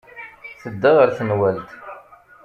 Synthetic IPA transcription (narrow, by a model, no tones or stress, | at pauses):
θəd̪ːəʁəɾθənwælt̪